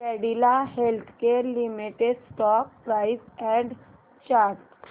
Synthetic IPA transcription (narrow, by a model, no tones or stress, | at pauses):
ɛɽilaɦelt̪ʰkeɾlimiʈeɖsʈɔk̚pɾaisɛ̃ɳɖ | t͡ɕaɾt̪